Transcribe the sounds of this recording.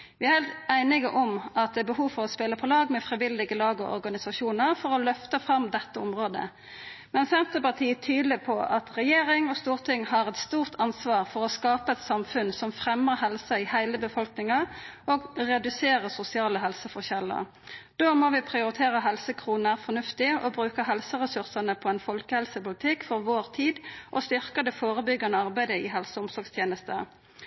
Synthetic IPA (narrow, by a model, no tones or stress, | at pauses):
ʋɪæʁhæɪlt̪æɪnɪɡəʔɔmɑt̪̚d̪ɛːbəhuːʋfɔʁɔspeləpʰɔlɑːɡmɛfʁɪʋɪld̪ɪɡəlɑːɡɔʔɔ̰ɾɡɑnɪsɑʃuːnəʁfɔʁɔlœft̪əfʁɑmd̪ɛt̪ːəʊmʁoːd̪ə̰ | mɛnsɛnt̪əpɑt̪ʰiːt̪ʰyːd̪lɪpʰɔʔɑt̪ʁɛjeːɾɪŋɔst̪uːʁt̪ʰɪŋhɑʁɛt̪st̪uːʁt̪ʰɑnsʋɑːʁfɔʁɔskɑːpəɛt̪sɑmfʉnsɔmfʁɛməɦɛlsəɪhæɪləbəfɔlknɪŋɑoːɡʁɛd̪ʉseːʁəsʊsɪɑːləɦɛlsəfɔʁçɛlːə̰ | d̪̥oːmoːʋɪpʰʁɪʊɾɪt̪ʰeːʁəɦɛlsəkʰʁuːnæːʁfɔnʉft̪ɪɔbʁʉːkəɦɛlsəʁɛsʉʁsɑnəpʰɔɛnfɔlkəhɛlsəpʊlɪt̪ʰɪkfɔʁʋoːʁt̪ʰiːd̪ʔɔst̪ʏʁkəd̪ɛfoːʁəbʏɡːɑnəɑʁbæɪd̪əɪɦɛlsəʊmsɔɾɡst̪ʰjeːnəst̪ə